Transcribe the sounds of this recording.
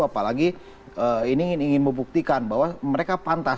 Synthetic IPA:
apalaɡi | əiniɪniŋɪnməbuk̚t̪ikanbaɦwaməɾekapant̪a

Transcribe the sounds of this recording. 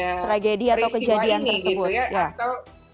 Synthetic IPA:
t̪ɾaɡediat̪awkəd͡ʒadiant̪ərsəbʊt̪̚ja

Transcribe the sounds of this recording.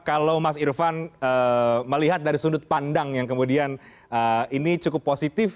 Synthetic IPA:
kalawmasirfanəməliɦat̪̚daɾisundʊt̪̚pandaŋjaŋkəmudian | əinit͡ʃukʊpːosit̪ɪf

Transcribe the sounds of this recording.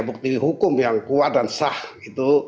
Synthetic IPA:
buk̚t̪iɦukʊmjaŋkuat̪̚dansahit̪u

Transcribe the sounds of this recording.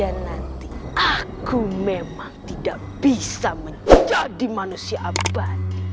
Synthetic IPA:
anːant̪iakumemaŋt̪idaʔ | b̥isaməɲd͡ʒadimanusiaʔabat̪̚

